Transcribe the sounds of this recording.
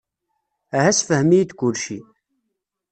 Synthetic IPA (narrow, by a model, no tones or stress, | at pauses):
æɦæsfəhmijid̪kʊlʃi